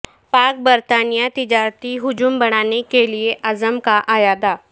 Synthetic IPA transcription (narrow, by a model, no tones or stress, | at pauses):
paːk̚bəɾt̪aːnijat̪ɪd͡ʒaːɾt̪iɦʊd͡ʒumbɐɽ̃aːnekelieʔɐzəmkaʔajaːd̪aː